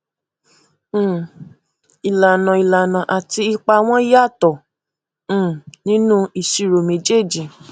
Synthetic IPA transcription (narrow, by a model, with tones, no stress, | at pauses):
i˨la˨nã˨i˨la˨nã˨ʔa˨ti˧i˧k͡pa˧w̃ɔ̃˦i˦ja˦˨tɔ̃˨˦˨ | nĩ˦nũ˦i˨si˨ɾo˨mẽ˨d͡ʒe˦˨d͡ʒi˨